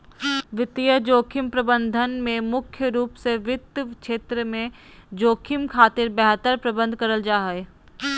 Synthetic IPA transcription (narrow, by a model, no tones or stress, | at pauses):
ʋɪt̪ijəd͡ʒoːkʰɪmpɾɐbə̃nd̪ʱənmẽmʊkʰjəɾuːpseʋɪt̪kʃeːt̪ɾəmẽ | d͡ʒoːkʰɪmkʰaːt̪ɪɾbɛɦt̪əɾpɾɐbə̃nd̪̚ʱkɐɾəld͡ʒaːɦəe